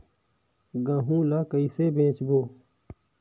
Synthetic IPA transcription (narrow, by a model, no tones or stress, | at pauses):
ɡãɦũːlakəiseːbẽːt͡ʃboː